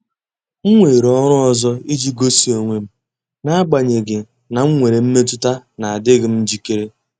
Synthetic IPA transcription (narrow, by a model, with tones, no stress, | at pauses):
ŋ̩˦ŋʷe˨ɾɔ˦ɾʊ˦ɔ˦zɔ˦i˦d͡ʒi˦ɡo˦si˨o˨ŋʷe˨m̩˦ | na˦a˦ɡ͡ba˨ɲe˨ɡɪ˨ | na˨ŋ̩˦ŋʷe˨ɾe˨m̩˦me˦t̬ʊ˦ta˦na˨a˨dɪ˦ɡɪ˨m̩˦d͡ʒi˦ke˦ɾe˦